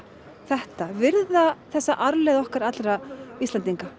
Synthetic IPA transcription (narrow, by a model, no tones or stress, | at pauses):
θɛht̪avɪɾðaθɛsːaʔaɾlɛðɔhkaɾat̪lɾaist̪ant̪iŋka